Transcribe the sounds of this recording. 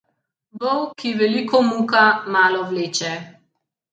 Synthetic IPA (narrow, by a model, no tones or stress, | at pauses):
bɔwkʰiʋɛlikɔmuːkamaːlɔwleːt͡ʃɛ